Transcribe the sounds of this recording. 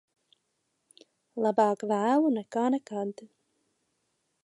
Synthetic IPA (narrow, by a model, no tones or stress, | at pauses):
lˠabɑːkvæːlˠunɛkaːnɛkad̪